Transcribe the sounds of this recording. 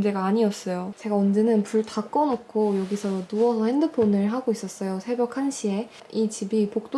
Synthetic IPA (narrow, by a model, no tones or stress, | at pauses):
nd͡ʑe̞ɡaːɲiʌss͈ʌjot͡ɕe̞ɡaʌnd͡ʑe̞nɯnpuɭtʰak͈ʌnʌkʰojʌɡisʰʌnuʌsʰʌhe̞ndɯpʰonɯɭɦaɡois͈ʌs͈ʌjosʰebjʌkʰanɕʰie̞ | it͡ɕibipok̚t͈o